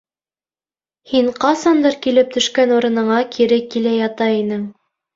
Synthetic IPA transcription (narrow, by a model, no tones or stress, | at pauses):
hiɴqɑsɑnd̪ɤɾkilɘp̚t̪ʰɵ̆ʃkænuɾɤ̆nɤ̆ɴɑkʰiɾɘkːilæjɑt̪ɑinɘŋ